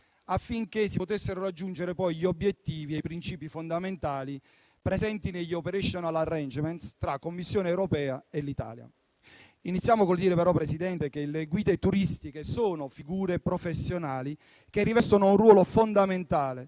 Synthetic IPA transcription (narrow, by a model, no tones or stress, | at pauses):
afːiŋkesːipot̪esːeɾoɾad͡ʒːund͡ʒeɾepɔjʎiobjet̪ːiːviejpɾint͡ʃiːpifond̪ament̪aːli | pɾɛzɛnt̪ineʎːiopeɾeʃonalarːɛnd͡ʒmɛnt̪st̪ɾakːomːisːjoːneɛwɾopɛːaelit̪a̰ːlja̰ | init̪sːjaːmokold̪iːɾepɛɾɔpːɾɛsid̪ɛnt̪ekeleɡwiːd̪et̪uɾist̪ikesoːnofiɡuːɾepɾofesːjonaːli | kerːivɛst̪onounrwɔːlofond̪ament̪aːle